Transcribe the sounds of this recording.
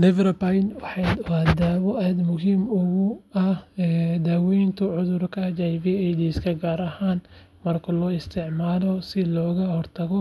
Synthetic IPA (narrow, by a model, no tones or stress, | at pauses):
lɛvɾɐpajnwħɑwɐːd̪aːβɔʔaːd̪mʊɦiːmʊɣʊɐhɛd̪aːwɛjnt̪ʰʊʕʊðʊrkʰɐd͡ʒajviɛjd̪iːskʰɐɡaːɾɐhaːn | mɐrkʰɐlɔːɪst̪ʰɪʕmaːlɔsɪlɔːɣɐhɔrt̪ʰɐɣɔ